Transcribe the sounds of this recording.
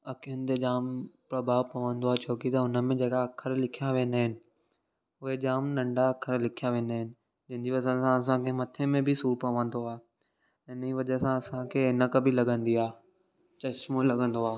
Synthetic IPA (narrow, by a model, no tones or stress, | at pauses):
ɐkʰijənɪ̆t̪ed͡ʑaːmpɾɐbʱaːʋpɐʋə̃nd̪oaːt͡ɕʰoːkit̪ɐʊnəmẽd͡ʑeːkaɐkʰəɾlɪkʰijaʋẽːnd̪aːɦɪnɪ̆ | ʊɦed͡ʑaːmnɐ̃ɳɖaɐkʰəɾlɪkʰijaʋẽːnd̪aːɦɪnɪ̆ | d͡ʑɐ̃ɦɪ̃d͡ʑiʋɐsənsãɐsãkʰemɐt̪ʰemẽbʱɪsuːɾpɐʋə̃nd̪oaː | ɪniʋɐʄəsãɐsãkʰeːɪnəkɐbʱilɐɡə̃nd̪iaː | t͡ɕɐt͡ɕmolɐɡə̃nd̪oaː